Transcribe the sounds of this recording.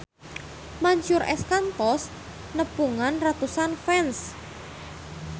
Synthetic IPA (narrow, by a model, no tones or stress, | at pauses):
maɲt͡ʃʊɾʔɛskant̪ɔs | nəpuŋanrat̪usanfɛns